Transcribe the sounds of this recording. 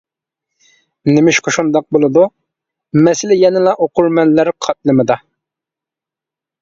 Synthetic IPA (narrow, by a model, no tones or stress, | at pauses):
nɪmɪʃqʰoʃund̪ɑq̚bolˠɨd̪u | mɛsɪlɪjɛnɪlˠɑʔoqʊɾmɛnlæɾqʰɑt̪̚lˠɨmɨd̪ɑ